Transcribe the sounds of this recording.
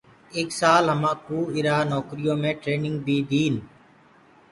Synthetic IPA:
eːksaːlɦəmãːkuːɪɾaːnɔːkɾɪjõːmẽːʈɾeːnɪ̃ŋɡ̚bʱiːd̪iːn

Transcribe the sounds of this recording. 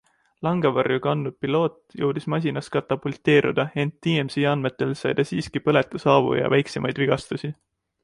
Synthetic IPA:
lɑŋɡ̥evɑrjukɑnːu̥pilo̞ːt̪ːˑjowd̪̥ismɑs̬ʲinɑskɑt̪ːˑɑbult̪ˑe̞ːɾṵd̪̥ɑe̞nt̪ːiːemsiɑnd̪me̞t̪ːˑe̞lsɑjd̪̥ɑsiːskipɤ̞let̪ˑːɑsɑːvṵjɑ̰væjksemʔɑjd̪̥viɡ̥ɑst̪usi

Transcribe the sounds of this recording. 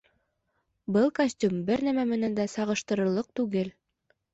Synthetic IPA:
bɤlˠkɐsʲtʲumbɘɾnæmæmɘ̆nænd̪æsɑʁɤ̆ʃt̪ɤ̆ɾɤ̆ɾlˠːɤq̚t̪ʉɡɘl

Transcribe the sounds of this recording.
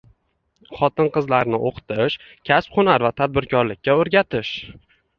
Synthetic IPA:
χɒt̪ʰɪnqɨzlaɾnɪʔoqt̪ʰɪʃ | kʲʰasp̚qʰʊnaɾvat̪ʰad̪̚bɪɾkʰɒɾlɪkʲːaoɾɡʲat̪ʰɪʃ

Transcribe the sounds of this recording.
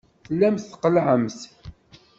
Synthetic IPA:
θlːæmθqəlʕəmθ

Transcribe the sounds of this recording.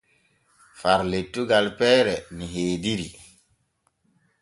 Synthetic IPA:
faɾletːuɡalpɛːɾɛniɦeːdiɾi

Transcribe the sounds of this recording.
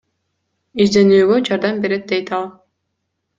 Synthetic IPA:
iʒd̪e̞nyːɡød͡ʒɑɾd̪ɑmbe̞ɾe̞t̪̚d̪ejt̪ɑlˠ

